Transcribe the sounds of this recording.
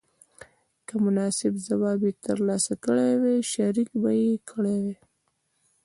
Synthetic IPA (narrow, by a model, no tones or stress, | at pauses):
kəmʊnɑsɪbzawɑbet̪əɾlɑsakəɽeweʃaɾikbajekʰəɽewe